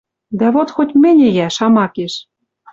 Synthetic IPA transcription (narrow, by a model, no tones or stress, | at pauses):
d̪æβot̪xotʲmɘ̆nʲĕjæʃɑmɑkeʃ